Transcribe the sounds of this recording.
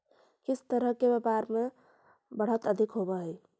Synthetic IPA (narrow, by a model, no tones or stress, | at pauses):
kit͡ʃʰt̪əɾəkebepaɾme | bəɽ̤ət̪əd̪ʱikɦobəɦəj